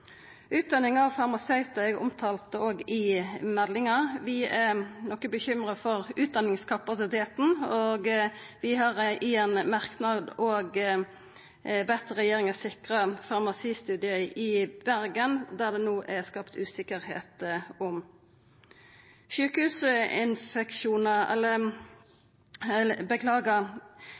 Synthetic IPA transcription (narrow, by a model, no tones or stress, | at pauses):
ʉːt̪̚d̪ɑnːɪŋɑʋfɑʁmɑsɛɪt̪ɛɡʊ̰mt̪ʰɑːlt̪əoːɡɪmɛllɪŋɑʋɪɛnɔkːəbəçʏmʁəfɔʁʉːt̪̚d̪ɑnɪŋskʰɑpɑsɪt̪ʰeːt̪n̩oːɡʋɪɦɑʁɪɛnmɑʁknɑd̪oːɡ | bɛt̪əʁɛjeːɾɪŋɑsɪkʁəfɑʁmɑsiːst̪ʉːd̪ɪəʔɪb̥æʁɡənd̪æʁd̪ɛnoːʔɛskɑpt̪ʰʉːsɪkəɾhḛːt̪ɔm | ʃʉːkəhʉːsəɪ̰nfɛkʃuːnəɛ̰lːə | ləbəkʰlɑːɡɑ